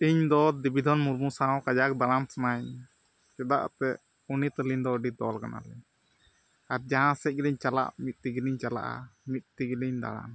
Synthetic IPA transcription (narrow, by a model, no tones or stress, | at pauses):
iɲd̪ɔd̪ibid̪ʱɔnmuɾmusaɦɔ̃kad͡ʒak̚d̪aɽamsamaɲ | t͡ʃɛd̪a̰ʔt̪ɛ | unit̪əlind̪ɔɖid̪ɔlkana̰lɛɲ | aɾd͡ʒaɦãsɛc̚ˀɡiliɲt͡ʃala̰ʔmit̪̚t̪iɡiliɲt͡ʃala̰ʔa̰mit̪̚t̪iɡiliɲd̪a̰ɽa̰m